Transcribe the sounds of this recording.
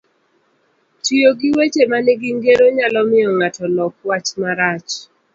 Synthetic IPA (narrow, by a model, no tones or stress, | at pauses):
tioɡiwet͡ʃemanɪɡiŋɡeɾoɲalɔmɪɔŋatɔlɔk̚wat͡ʃmaɾat͡ʃ